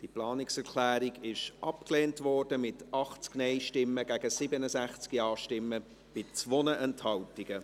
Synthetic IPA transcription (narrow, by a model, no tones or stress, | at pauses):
d̥iplɑːnɪksɛɾkʰlæːɾiɡɪʃʔɑpkleːntvɔrdəmɪtʰɑχt͡sknɛɪʃtɪmːəɡ̥æɡəsɪbənəsæχt͡skiɑːʃtɪmːə | b̥ɪt͡svonəʔɛnthɑltiɡ̥ə